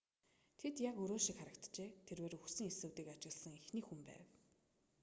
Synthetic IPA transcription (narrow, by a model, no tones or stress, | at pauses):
t̪ʰet̪jakɵɾoːʃikχaɾə̆kt̪t͡ɕeːt̪ʰerweːɾɵxsɘ̆ŋesɘ̆wt̪iːkat͡ɕɪ̆ɣɮsə̆ŋixniːxumpæ̰ːw